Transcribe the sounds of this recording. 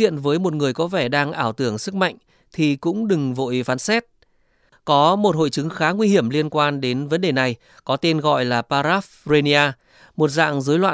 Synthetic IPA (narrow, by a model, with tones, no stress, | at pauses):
ḭ˧˨ənvəː˨˦jmo˨˩t̚ŋɨ˨˩əjkɔ˨˦vɛ˧˩ɗaː˧ŋʔaː˧˩wt̪ɨ˧˩əŋsɨ˦˥k̚ma̰˧˨jŋ̟ | t̪ʰi˨˩kʊ̰˧˥ŋ͡mɗɨ˨˩ŋvo̰˧˨jfaː˨˦nsɛ˦˥t̚ | kɔ˨˦mo˨˩t̚ho̰˧˨jt͡ɕɨ˨˦ŋxaː˨˦ŋwi˧hi˧˩əmli˧ənkwaː˧nɗe˨˦nvə˨˦nɗe˨˩na˨˩j | kɔ˨˦t̪e˧nɣɔ̰˧˨jlaː˨˩paː˧ɾaː˦˥fze˧ni˧aː˧ | mo˨˩t̚za̰ː˧˨ŋzəː˨˦jlwa̰ː˧˨